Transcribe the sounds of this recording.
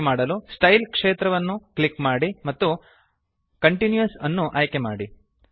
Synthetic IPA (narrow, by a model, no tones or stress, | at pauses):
maːɽɐlusʈɐjlkʂeːt̪ɾɐʋɐnːuklikmaːɽimɐt̪ːu | kɐɳʈinjuɐsɐnːuʔaːjkemaːɽi